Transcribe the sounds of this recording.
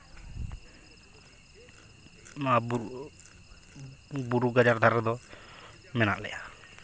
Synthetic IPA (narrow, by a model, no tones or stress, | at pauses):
ma | buɾuɡad͡ʒaɾd̪ʱaɾd̪ɔ | mɛnaʔlɛ̰ʔa